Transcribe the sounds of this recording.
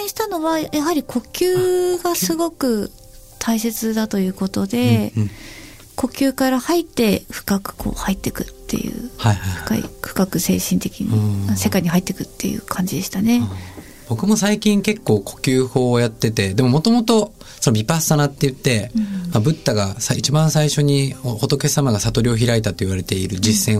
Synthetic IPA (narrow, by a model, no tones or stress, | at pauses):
ẽɕi̥t̪ano̞βajaɦaɾʲikʰo̞kʲɨːɡasɨɡo̞kɯ̟ | t̪ʰaise̞t͡sɨd̪at̪o̞jɯ̟ːko̞t̪o̞d̪e̞ | ko̞kʲɨːkaɾahait̪ːe̞ɸɯ̟̥kakɯ̟̥kʰo̞̰ːhait̪ːe̞kɯ̟̥t̪ːe̞̰jɯ̟̰ːhaihaɸɯ̟̥ka̰ḭɸɯ̥kakɯ̟se̞̰ːɕĩnt̪e̞kʲiɲ̟ḭmase̞kaiɲ̟iɦait̪ːe̞kɯ̟t̪ːejɯ̟̰ːkʰãɲ̟d͡ʑid̪e̞ɕi̥t̪ane̞ | b̥o̞kɯ̟mo̞saikʲĩŋke̞kːo̞ːkʰo̞̥kʲɨːho̞ːjat̪ːe̞t̪e̞d̪e̞mo̞mo̞t̪o̞mo̞t̪o̞ | sonobʲipasanat̪ːejɯ̟t̪ːe̞mabɯ̟t̪ːaɡasait͡ɕibãɰ̃saiɕo̞ɲ̟ioot̪o̞ke̞samaɡasat̪o̞ɾʲio̞çiɾait̪at̪ːo̞iβaɾe̞t̪e̞iɾɯ̟d͡ʑisːẽ̞